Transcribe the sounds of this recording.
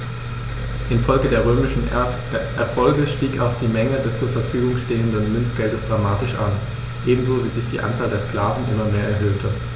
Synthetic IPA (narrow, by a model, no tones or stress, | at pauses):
ʔɪnfɔlɡədeːɐʁ̞øːmɪʃn̩ | ʔɛɐfɔlɡəʃtiːkaʊxd̥iːmɛŋədɛst͡suːɐfɛɐfyːɡʊŋʃteːəndənmʏnsɡ̥ɛldəsd̥ʁamaːtɪʃʔan | ʔeːbm̩zoviːzɪçd̥iːʔa̰nt͡saːldeːɐskl̥aːvn̩ʔɪmɐmeːɐʔɛɐɦøːltʰə